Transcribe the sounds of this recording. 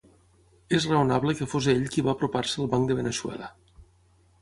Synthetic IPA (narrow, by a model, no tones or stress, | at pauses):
ezreunaβləkəfozeʎkiβaːpɾuparsəːlˠβaŋkd̪əβ̞enəʃwɛ̰lə